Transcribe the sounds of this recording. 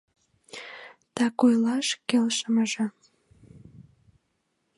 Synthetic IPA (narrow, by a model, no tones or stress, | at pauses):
t̪ɑkojlɑʃkelʃəməʒĕ